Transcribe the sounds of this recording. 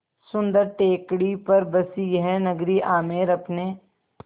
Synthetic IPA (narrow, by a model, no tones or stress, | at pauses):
sʊ̃nd̪əɾʈeːkɽipɐɾbɐsiɦɛnɐɡɾiʔaːmeːɾɐpne